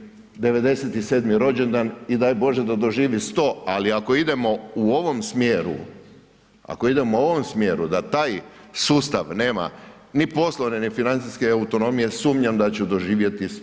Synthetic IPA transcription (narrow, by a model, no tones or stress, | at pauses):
d̪e̞ʋe̞d̪e̞set̪ise̞ːd̪miɾo̞d͡ʑend̪anid̪ajbo̞ʒed̪ad̪o̞ʒiːʋist̪o̞aliako̞id̪e̞mo̞uo̞ʋo̞msmjeːɾṵ | a̰koid̪e̞mouo̞ʋomsmjeːɾud̪at̪aːjsuːst̪aʋne̞ːma̰ | nipo̞slˠo̞ʋnenifinant̪siske̞aut̪o̞no̞mije̞suːmɲamd̪at͡ɕud̪o̞ʒiːʋje̞t̪i